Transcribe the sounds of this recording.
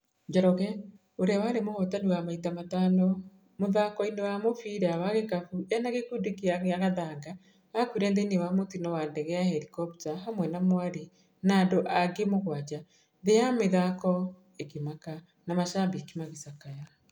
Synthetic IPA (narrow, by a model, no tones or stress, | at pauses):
d͡ʒɔɾɔɣɛ | oɾeawaɾemoɣɔtaniwamaitamatanɔ | moðakɔinewamofiɾawaɣekafuɛnaɣekudekiaɣaɣaðaɡa | akwiɾɛnðenewamotinɔwandɛɣɛahɛɾikɔptaɦamwɛnamoaɾe | nadoʔaɡemoɣwad͡ʒa | ðejameðakɔ | ekemaka | namaʃabikimaɣisakaja